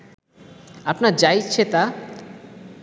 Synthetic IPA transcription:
apnaɾd͡ʑajt͡ɕʰet̪a

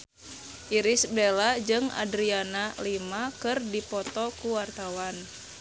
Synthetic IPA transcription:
ʔiɾisbelad͡ʒɨŋa̰dɾianalimakɨrdipɔt̪ɔkuwart̪awan

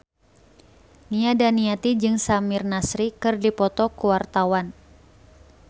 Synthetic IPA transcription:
niadaniat̪id͡ʒɨŋsamirnasɾikɨrdipɔt̪ɔkuwart̪awan

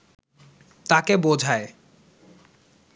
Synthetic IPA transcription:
t̪akebod͡ʑʱae

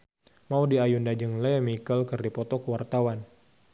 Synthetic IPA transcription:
maudiajundad͡ʒəŋlɛmikəlkərdipɔt̪ɔkəwart̪awan

